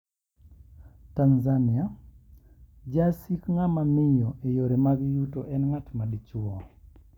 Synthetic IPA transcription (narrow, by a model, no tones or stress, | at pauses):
tanzanɪa | d͡ʒasikŋamamɪjɔʔejoɾemaɡɪjutoʔɛnŋatmadit͡ʃuɔ